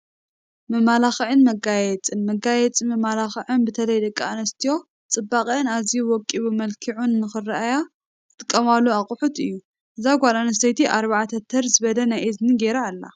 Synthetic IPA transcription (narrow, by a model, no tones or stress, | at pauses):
mɨmalaxʕɨnmɐɡajɛt͡sʼɨnmɐɡajɛt͡sʼimɨmalaxɨʕɨnbɨt̪ʰɐlɐjd̪ɐkʼːaanɐst̪ʰijo̞ | t͡sʼɨbːakʼɨnazijuwɔkʼːiβumɐlkʰiʕunːɨxɨraʔaja | ɨt̪ʰʼɨkʼːɐmalːuaqʼʊħut̪ɨjːu | ʔɨzaɡʷalanɐsɐjt̪ʰiʔaɾβaʕat̪ʰɐt̪ʰɐɾzɨβɐd̪ɐnajʔezniɡeɾaːlːa̰